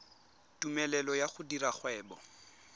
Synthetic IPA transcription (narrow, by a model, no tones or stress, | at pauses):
tumɛlɛlɔjaχʊdiɾaχwɛːbɔ